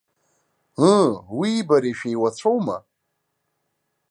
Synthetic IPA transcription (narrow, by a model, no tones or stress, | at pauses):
əwiːbaɾeʃᶣejwat͡ɕʷʰowma̰